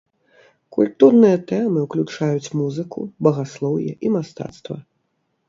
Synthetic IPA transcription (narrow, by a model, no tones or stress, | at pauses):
kulʲt̪urnɨjɐt̪ɛmɨwklʲut͡ʂajut͡sʲmuzɨkṵbɐɣaslˠɔwjɛ̰ʔimast̪a̰t̪st̪vɐ̰